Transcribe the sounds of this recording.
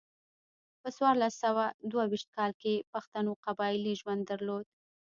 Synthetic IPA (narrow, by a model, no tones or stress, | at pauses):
pəswɑɾlasawad̪wawiʃt̪̚kɑlkepaxt̪anoqabɑɪliʒwand̪ːaɾlod̪̥̚